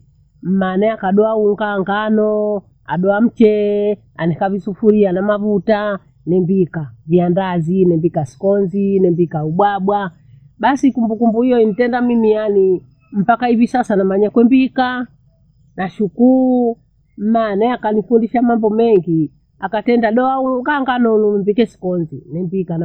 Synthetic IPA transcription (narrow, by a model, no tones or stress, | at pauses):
m̩manɛakaɗɔauŋɡaŋɡanɔ | a̰ɗɔam̩t͡ʃɛ | a̰nɛkavisufuɾianamavuta | nɛmbikaviandazinɛmbikasi̥kɔnzinɛmbikauɓwaɓwa | ɓasikumbukumbuijɔinitɛndamimijani | m̩pakaivisasanamaɲakwɛmbika | naʃukuu | m̩manaakanifundiʃamambɔmɛŋɡi | akatɛndaɗɔauluŋɡaŋɡanɔlumbikɛsi̥kɔnzinɛmbikan